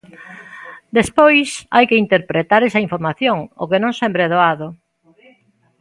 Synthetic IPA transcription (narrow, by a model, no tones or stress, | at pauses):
d̪espojsa̰jkeint̪eɾpɾet̪aɾɛsɐĩɱfoɾmaθjoŋo̰kenõŋsempɾeɛðoaðʊ